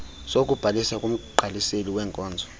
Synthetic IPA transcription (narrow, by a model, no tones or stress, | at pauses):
sok̬ʼub̥ʱalisakʼum̩ɡ͡ǃʱaliseliwɛːŋkʼɔːnd͡zʱɔ